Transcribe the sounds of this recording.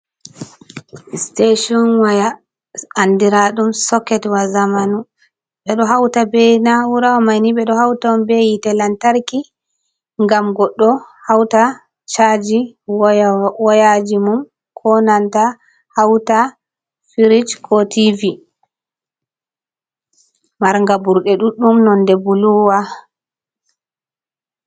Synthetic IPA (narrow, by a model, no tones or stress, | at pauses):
steʃiɔnwaja | andiɾaɗumsɔkːɛtwazamanu | ɓɛɗɔɦawtabɛnawuɾawɔmajniɓɛɗɔhawtaumbɛjitɛlantaɾki | ŋɡamɡɔɗːɔhawta | t͡ʃad͡ʒi | wɔjad͡ʒimum | kʰɔnanta | hawta | fiɾid͡ʒkʰɔtivi | maɾŋɡabuɾɗɛɗuɗːumnɔndɛbuluwa